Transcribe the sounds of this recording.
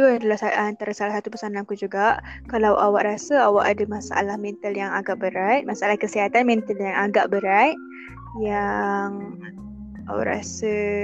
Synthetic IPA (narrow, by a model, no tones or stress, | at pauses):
d̪udalasaant̪aɾasalahsat̪upəsanakud͡ʒuɡaʔ | kalawʔawaʔɾasəawaʔadamãsaʔa̰lahmɛnt̪əljaŋaɡaʔbəɾajt̪̚masaalahkəsiɦat̪anmɛnt̪əljaŋaɡaʔbəɾajʔ̚ | jaŋ | a̰wa̰ʔɾa̰sə